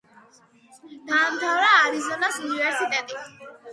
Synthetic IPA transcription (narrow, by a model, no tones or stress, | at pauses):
d̪̥aːmt̪ʰavɾaːɾizɔnasunivɛɾsit̪ʼɛt̪ʼi